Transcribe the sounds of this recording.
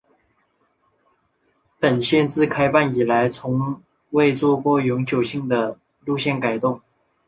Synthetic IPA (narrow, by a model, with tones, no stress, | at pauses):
pə˨˩nɕjɛ˥˧nt͡sɹ̩˥˧kʰa˥ɪfa˥˩ni˨˩la˧˦ɪt͡sʰʊ˧˥ŋ | we˥˧ɪt͡swɔ˥˧kwɔ˥˩jʊ˧˥ŋt͡ɕjo˨˩ʊɕi˥˩ŋd̪ə˩ | lu˥˧ɕjɛ˥˩nka˨˩ɪt̪ʊ˥˩ŋ